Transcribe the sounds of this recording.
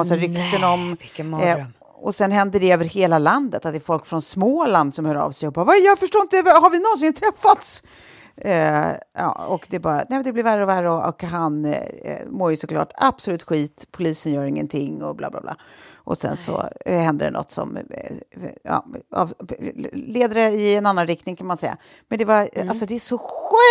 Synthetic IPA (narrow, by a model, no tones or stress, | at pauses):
asaɾʏkt̪ənɔm | ɔsɛnɦɛnd̪əɖɛøːvəɾheːlaland̪ət̪at̪d̪ɛɾfɔlkfɾɔnsmoːland̪sɔmhœːɾɑ̰ːvsɛjhʊp̚ːbavajɑːfəʂʈoːɪnt̪d̪ɛvhaɾvɪnɔns̬ɪnt̪ʰɾɛfːat̪s | jɑ̰ːɔkd̪ɛːbɑːɾanɛːmɛnd̪ɛblɪɾværːəɔværəɔʔɔ̰kɦan | moːɾjɵsɔkʰlɑ̰ːʈa̰bsɔlʉ̟ːt̪ɧiːt̪pʰːʊliːsənjœːɾɪŋːə̰nt̪ʰɪŋːɔ̰bla̰ːbla̰ːbla̰ːʔɔ̰sɛ̰nsɔ̰hɛnd̪ə̰ɖɛ̰nɔ̰t̪ːsɔ̰m | ɑ̰ːɑ̰v | leːd̪əɖɛɪɛnanːanɾɪk̚t̪nɪŋkʰanmansɛjːa̰ | mɛnd̪ɛvaalsɔd̪ɛæʂɔɧø